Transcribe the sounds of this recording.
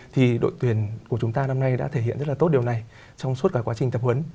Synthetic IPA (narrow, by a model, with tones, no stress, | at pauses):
t̪ʰi˨˩ɗo̰˧˨jt̪wi˨˩ənku˧˩ət͡ɕʊ˨˦ŋ͡mt̪aː˧na˧mna˧jɗa̰ː˧˥t̪ʰe˧˩ḭ˧˨nzə˦˥t̚lːt̪o˦˥t̚ɗi˨˩əna˨˩j | t͡ɕɔ˧wŋ͡msu˦˥t̚kaː˧kwaː˨˦t͡ɕï˨˩ŋ̟t̪ə˨˩p̚hwə˨˦n